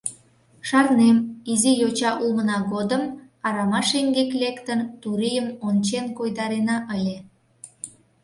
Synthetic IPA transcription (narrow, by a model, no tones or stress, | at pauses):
ʃɑrnemizijot͡ɕɑʔulmənɑɣod̪əm | ɑɾɑmɑʃeŋɡeklekt̪ənt̪uɾijəmont͡ɕenkojd̪ɑɾenɑʔəlʲe